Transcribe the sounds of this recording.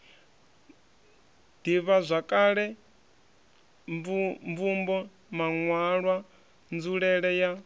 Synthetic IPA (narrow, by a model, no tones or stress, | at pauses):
d̥iβazʷakʼaɺɛ | mvumbɔ | maŋwaɺwa | nd͡zuɺɛɺɛja